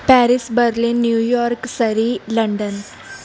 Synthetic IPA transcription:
pæɾisbəɾlinːjujɔɾksəɾiləɳɖən

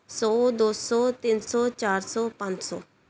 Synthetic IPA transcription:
sɔːd̪oːsɔːt̪ɪnsɔːt͡ʃaːɾsɔːpãɲd͡ʒsɔː

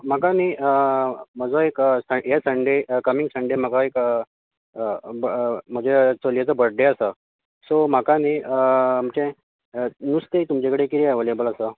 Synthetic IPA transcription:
m̤akaniəm̤əd͡zoeksəjasəɳɖekəmiŋɡsəɳɖem̤akaek | bm̤əd͡ʑet͡solijat͡səbəɽɖeasə | som̤akanim̤t͡ɕẽ | nust̪et̪umt͡ɕekəɽekiɾiaʋəlebələsə

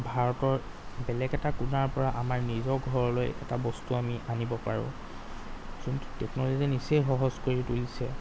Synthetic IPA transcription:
bʱaɹɔtɔɹ | bɛlɛɡɛtakunaɹpɔɹaʔamaɹnizɔɡʱɔɹɔlojɛ̰tabɔstuamiʔanibɔpaɹʊ̰̃ | zuntu̥tɛknɔlozinisejxɔɦɔzkoɹitolisɛ

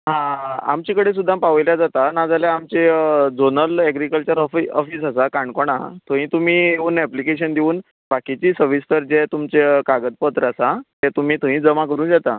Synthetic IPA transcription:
ɦãa̰mt͡ɕikəɽes̬ud̪ʱːãmpaʋəjljad͡zat̪anad͡zaljaːmt͡ɕed͡zonəlɛɡɾikəlt͡ɕəɾɔfiɔfiːsasakaɳɖkoɽ̃a̰t̪ʰõɦĩːt̪um̤iːeuːnɛplikeɕənd̪ʱiuːn | bakit͡ɕiːsəɾʋist̪əɾd͡ʑet̪umt͡ɕekaɡəd̪̚pət̪ɾasat̪ɛt̪um̤iːt̪ũɦĩd͡zəmakəɾuːnd͡ʑat̪a̰

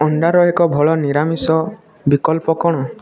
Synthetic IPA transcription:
ɔɳɖaɾɔekɔbʱɔɭɔniɾamisɔ | bikɔlpɔkɔɽ̃ɔ

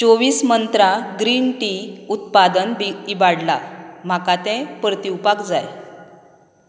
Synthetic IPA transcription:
t͡ɕoʋiːsmənt̪ɾaɡɾiːnʈiut̪̚pad̪ənbiibaɽlam̤akat̪ɛ̃pɾət̪iwpakd͡zaj

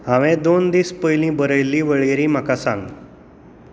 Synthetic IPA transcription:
ɦaʋẽd̪ond̪iːspəjlĩbəɾəjliːʋəɭjɾiːm̤akasã̰ŋɡ

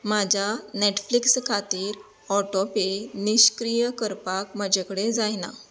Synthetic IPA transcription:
mad͡ʑʱaneʈflikskʰat̪iːɾ | ɔʈɔpeniɕkɾijəkəɾpakməd͡ʑʱekəɽed͡zajna̰

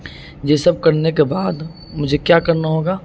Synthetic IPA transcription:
jeːsɐb̚kɐɾnekebaːd̪ | mʊd͡ʒʱekjaːkɐɾnaɦoːɡaː

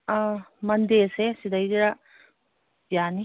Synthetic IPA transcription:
mɐnd̪esesid̪ɐjdɾa | jani

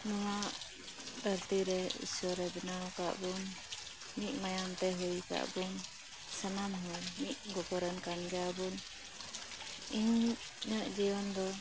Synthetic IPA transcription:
nɔŋaʔ | d̪əɾt̪iɾɛḭsɔɾɛbɛnaɔka̰ʔbunː | iʔ̚majant̪ɛɦujka̰ʔbun | sənamɦujmiʔ̚ɡɔɡɔɾənkanɡɛjabun | iɲ | ɲəʔd͡ʒiɔnd̪ɔ

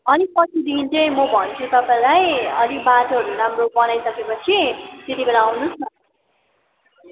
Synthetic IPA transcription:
ʌnipʌsʰid̪int͡sʌj̃mʌbʱʌnt͡sʰut̪ʌpãlajʌd̪ibatoɦʌɾuɾamrobʌnajsʌkepʌt͡sʰit̪et̪ibeɾaːwnut͡sʰʌ

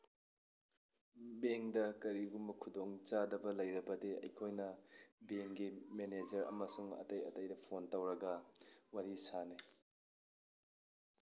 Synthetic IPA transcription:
beŋdɐkɐɾiɡumbɐkʰudoŋt͡ʃadɐbɐlɐjɾɐbɐdeɐ̰jkʰojnɐbeŋɡimened͡ʒɐɾɐ̰mɐsuŋɐ̰tɐjɐ̰tɐjdɐpʰontɐwɾɐɡɐwaɾisani

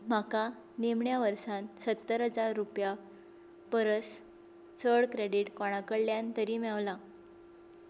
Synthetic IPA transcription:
m̤aka | nemɳjaʋəɾsãnsət̪ːəɾɦəd͡zaɾːupja | pəɾəs | t͡səɽkɾeɽiʈkɔɽ̃akəɽljãnt̪əɾiːmaʋla

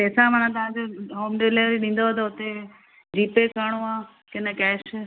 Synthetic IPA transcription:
pɛːsãmanãt̪ɐʋ̤ãːd͡ʑoɦoːmɖeleɾiɗĩːn̆d̪oɦət̪̬oʊt̪e | d͡ʑiːpekaːɽ̃õaː | kenɐkɛːʃ

